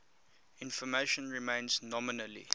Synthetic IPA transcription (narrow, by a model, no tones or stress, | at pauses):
ɪ̃nfɔmeʃə̃nɹimẽɪ̃nznɔmɪnəlḭ